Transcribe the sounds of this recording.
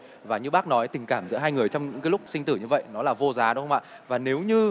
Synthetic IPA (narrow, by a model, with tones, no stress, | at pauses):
vaː˨˩ɲɨ˧ɓaː˦˥k̚nɔ˨˦jt̪ï˨˩ŋ̟kaː˧˩mzə̰ː˧˥ɦaː˧jŋɨ˨˩əjt͡ɕɔ˧wŋ͡mɲɨ̰˧˥ŋkaː˨˦jlʊ˦˥k͡p̚si˧ŋ̟t̪ɨ˧˩ɲɨ˧və̰˧˨jnɔ˨˦laː˨˩vo˧zaː˨˦ɗə˨˦wxə˧ŋ͡mʔa̰ː˧˨ | vaː˨˩ne˨˦wɲɨ˧